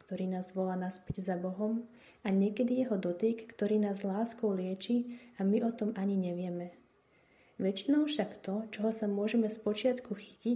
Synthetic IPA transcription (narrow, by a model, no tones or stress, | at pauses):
kt̪ɔɾiːnaːzʋɔlaːnaspiɟzabɔɦɔm | aɲɛkɛd̪ijɛɦɔd̪ɔt̪ikːt̪ɔɾiːnaːzlaːskɔʊlɪɛt͡ʃiamiʔɔt̪ɔmʔaɲiɲɛʋɪɛmɛ | ʋɛt͡ʃinɔʊfʃakt̪ɔt͡ʃɔɦɔsamʊɔʒɛmɛspɔt͡ʃɪat̪kuxi̥ci